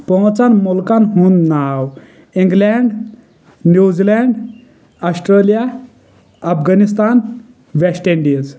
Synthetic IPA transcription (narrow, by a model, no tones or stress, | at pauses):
pɔ̃wt͡sanmɔlkanɦũːnnaw | ĩŋɡlɛɳɖ | njud͡zilɛɳɖ | asʈɾəlija | apɡanis̬t̪an | ʋesʈeɳɖiz